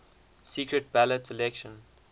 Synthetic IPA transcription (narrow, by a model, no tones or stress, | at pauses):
sikɹət̚b̥ælətɪlɛkʃə̃n